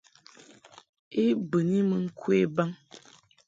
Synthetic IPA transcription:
e˦bə˨ni˦mə˨ŋ̩˦kwe˦˨ba˦ŋ

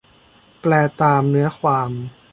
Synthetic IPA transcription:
plɛː˧˩t̪aː˧mnɯ˦˥ɐkʰwaː˧m

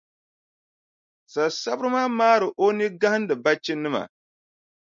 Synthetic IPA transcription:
sa˨sa˦bɨ˦ɾɨ˦maː˦maː˦ɾɨ˨ʔo˦ni˦ɡa˦hɨ˦n˦dɨ˨ba˦t͡ʃɪ˦nɨ˦ma̰˨

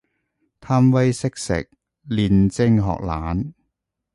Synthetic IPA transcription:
t̪ʰaː˥mwɐ˥jsɪ˥k̚sɪ̰˨k̚ | liː˨˧nt͡sɪ˥ŋɦɔ̰ː˨k̚laː˨˥n

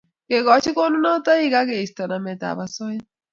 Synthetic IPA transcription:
ke˨ɣɔ˨˦t͡ʃi˦ko˦nu˦na˦o˦t̪a˦i˦˨ɣa˦ke˨stɔ˨na˨mɛ˨ta̰˨βa˨sɔ˦i˦

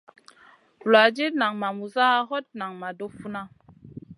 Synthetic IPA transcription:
la˨d͡ʒe˦na˨ŋma˨mu˨za˦ɦɔ˦t̚na˨ŋma˨do˦fu˦na˦

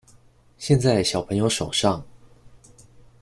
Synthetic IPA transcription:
ɕjɛ˥˧nt͡sa˥˩ɪɕjɑ˨˩ʊpʰɤ˧˥ŋjo˧˥ʊʂo˨˩ʊʂɑ˥˩ŋ

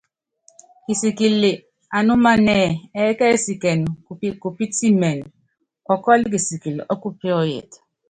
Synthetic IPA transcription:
ki˨si˨ki˨li˨ | a˨nu˦ma˦nɛ˦˨ɛ˨˦kɛ˦si˨kɛ˨n˨˦ku˨pi˦ti˦mɛ˨n˨ | ɔ˨kɔ˦li˦k̬i˨si˨ki˨lḭ˨ʔɔ˦ku˦pɛ˦ɔ˦jɛ̰˨tḁ˨

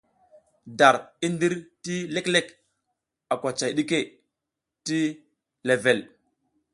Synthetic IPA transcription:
da˨ɾi˦ndi˦ɾti˦le˦kle˦˨k | a˨kʷa˨t͡ʃa˨jɗi˦ke˦ | ti˦ | le˨ve˨l

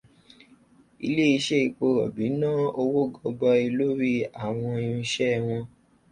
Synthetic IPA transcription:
ḭ˧le˦i˧ʃe˦i˧k͡po˧ɾɔ̰˨bi˨˦nãː˦o˧wo˦ɡɔ˧ɡ͡bɔ˧i˧lo˦ɾi˦a˦˨w̃ɔ̃˧i˧jũ˧ʃɛ˦˧w̃ɔ̃˧

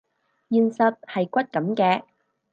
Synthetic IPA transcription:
jiː˨nsɐ˨t̚hɐ˨jkʷɐ˥t̚kɐ˨˥mkɛː˧

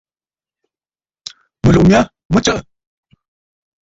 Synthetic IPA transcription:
mə˨lo˨mja˦ | mə˦t͡ʃə˦˨ʔ

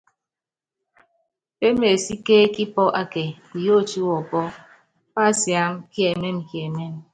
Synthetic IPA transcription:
pe˦me˨si˦keː˦ki˦pɔ˦ʔa˦ke˨ | i˨jo˦˨t͡ʃu˦wɔ˨pɔ˦ | pa˦˨sja˨˦mki˦e˨me˦m˨kje˨me˦m

